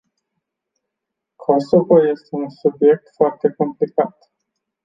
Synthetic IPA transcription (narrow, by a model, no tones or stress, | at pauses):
kʰosokoje̞st̪e̞unsubje̞k̚t̪foart̪e̞ko̞mplikat̪